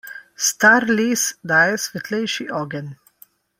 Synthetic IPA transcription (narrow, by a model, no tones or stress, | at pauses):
st̪aɾlisd̪aːjɛsʋɛt̪lɛjʃiʔɔːɡɛn